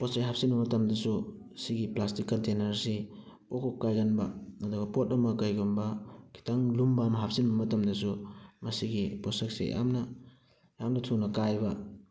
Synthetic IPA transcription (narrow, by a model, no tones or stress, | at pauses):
poseɦap̚sinbɐmɐtɐmdɐsu | siɡiplastikːɐntenɐɾsi | pokʰokkːajɡɐnbɐɐdɔɡɐpot̚ɐmɐkajɡumbɐkʰi̥taŋlumbamɐɦap̚sinbɐmɐtɐmdɐsumɐsiɡiposɐk̚sḛjʔa̰mnɐ | jamnɐtʰunɐkajbɐ